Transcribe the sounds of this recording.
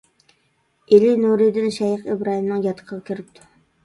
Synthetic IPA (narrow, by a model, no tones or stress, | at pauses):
elɪnuɾid̪ɪnʃɛjəqebɾɑɦimnɨŋjɑt̪ʰːə̥qʰəʁɑkʲʰiɾɪp̚t̪ʰu̥